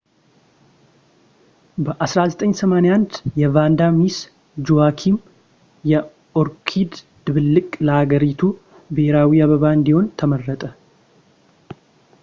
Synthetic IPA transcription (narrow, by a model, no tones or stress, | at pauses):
bəʔasɾazət̪ʼəɲːsəmanejand̪jɛvand̪amis | d͡ʒuakʰim | jɛ | ʔoɾkʰid̪ | d̪ɨβɨlːɨkʼləhaɡəɾit̪ʰu | bheɾawiaβəβaɨnd̪iho̞nt̪ʰəmərːət̪ʼə